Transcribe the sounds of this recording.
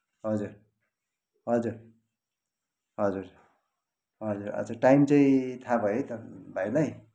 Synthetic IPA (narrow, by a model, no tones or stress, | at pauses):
ɦʌd͡zur | ɦʌd͡zur | ɦʌd͡zur | ɦʌd͡zuɾʌ̰d͡zʌʈajmt͡saĩt̪ʰabʱʌjejt̪ʌbʱajlaj